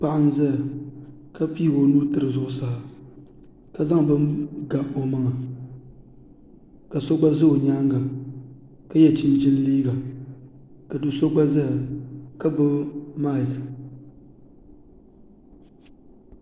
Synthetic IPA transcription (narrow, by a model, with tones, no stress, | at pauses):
pa˦ʔa˦n˦zɛ˦˨ | ka˦piː˦˨ɡo˦nuː˦tɨ˦ɾɨ˨zʊ˨ʔʊ˨saː˨ | ka˦za˦ŋ˨bɨ˦mɡa˨o˨ma˦ŋa˨ | ka˨so˦ɡ͡ba˦zɨ˦o˨ɲaː˦ŋɡa˨ | ka˦jɛ˨t͡ʃɪ˦n˦t͡ʃɪ˦n˦liː˦ɡa˨ | ka˨dʊ˨so˦ɡ͡ba˦zɛ˦˨ka˦bʊ˦lma˦˨k